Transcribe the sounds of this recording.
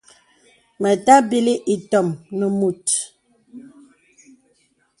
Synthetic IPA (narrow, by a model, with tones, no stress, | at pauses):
mə˨ta˦bi˦li˦ʔi˨tɔ˨mnə˨mu˨t